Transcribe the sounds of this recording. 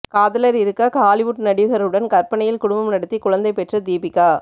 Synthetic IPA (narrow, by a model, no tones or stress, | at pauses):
kaːðɐlɐɾɪɾɯkːɐkaːlɪʋʊʈnɐɽɪʋɯɣɐɾɯɽɐnkɐɾpɐɳɐjɪlkʊɽʊmbɐmnɐɽɯt̪ːikʊɻɐnd̪ɐɪpɛʈrɐd̪iːpɪkːaː